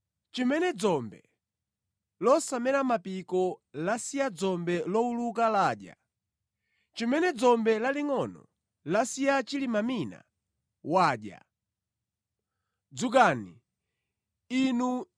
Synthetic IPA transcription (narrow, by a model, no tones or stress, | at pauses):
t͡ʃimɛnɛd͡zɔmbɛ̰ | lɔsamɛɾamapikɔlasijad͡zɔmbɛlɔuluk̬alaːɗja̰ | t͡ʃimɛnɛd͡zɔmbɛlaliŋɔnɔ̰ | lasijat͡ʃilimamina̰ | waːɗja̰ | d͡zuk̬ani | inu